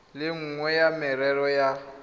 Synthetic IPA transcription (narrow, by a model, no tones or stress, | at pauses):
lɪŋ̩ŋwɛjamɪɾɛɾɔja